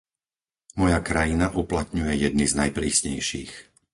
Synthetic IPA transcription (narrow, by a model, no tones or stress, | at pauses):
mɔjakɾajinaʔuplat̪̚ɲujɛjɛd̪̚niznajpɾiːsɲɛ̰jʃiːx